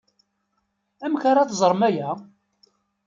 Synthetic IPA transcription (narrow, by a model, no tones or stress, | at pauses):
æmçaɾaθzˤəɾˤmæjæ